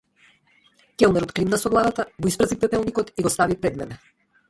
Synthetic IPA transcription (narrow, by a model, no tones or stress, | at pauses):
kɛlˠmɛɾɔt̪klimnasɔɡlˠad̪at̪aɡɔispɾazipɛpɛlˠnikɔt̪iɡɔst̪avipɾɛd̪mɛnɛ